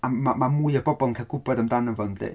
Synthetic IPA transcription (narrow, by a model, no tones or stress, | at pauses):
amamamuɨəbɔbɔlˠnkʰaɡʊbɔdəmdanənvəndḛ